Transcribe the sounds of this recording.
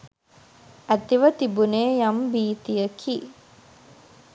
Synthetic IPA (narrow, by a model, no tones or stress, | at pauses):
æt̪iʋət̪ibuneːjambiːt̪ijəkʰi